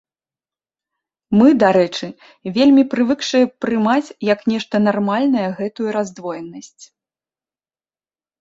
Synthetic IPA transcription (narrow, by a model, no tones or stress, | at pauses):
mɨd̪aɾɛt͡ʂɨ | vʲelʲmʲipɾɨvɨkʂɨjɛpɾɨmat͡sʲjɐknʲɛʂt̪ɐn̪armalʲnɐjɐɣɛt̪ujuɾazd̪vɔjɛnɐsʲt͡sʲ